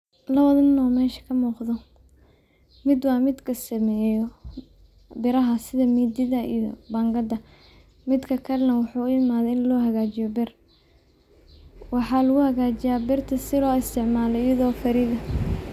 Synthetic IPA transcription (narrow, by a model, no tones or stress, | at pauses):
lɐβɐðɐnɔːmɛːʃɐ̥kʰɐmuːqðɔ | mɪd̪wɑːmɪd̪kʰɐsɐmɛːjɔ | bɪɾɐɦɐsɪðɐmiːd̪ɪðɐḭjɔ̰bɐŋɡɐd̪ɐ | mɪd̪kʰɐkʰɐɾɐnɐwɑħuːʊɪmaːðɛɪnlɔːɦɐɣaːt͡ʃɪjɔbɪr | wɑħɑːlʊɣʊhɐɣaːt͡ʃɪjaːbɪrt̪ʰɐsɪlɔːɪst̪ʰɪʕmaːlɔɪjɐðɔːfʰɐɾɪðɐ